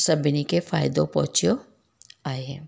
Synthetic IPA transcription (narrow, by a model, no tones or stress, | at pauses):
sɐbɪnikefaːɪd̪õpɔ̰̃ɦt͡ʃjo | aːeɦɛ̰̃ː